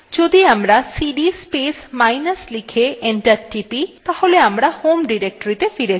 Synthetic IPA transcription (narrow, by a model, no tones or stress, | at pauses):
d͡ʑod̪iamɾasiɖispesmajnaslikʰeʔeɳʈaɾʈipit̪aholeamɾahomɖiɾek̚ʈoɾit̪efiɾei